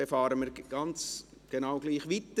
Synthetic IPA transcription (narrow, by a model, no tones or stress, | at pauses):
efɑːɾəmiːɾɡ̥ɑnt͡sɡ̥enaʊɡliːχʋit̪ə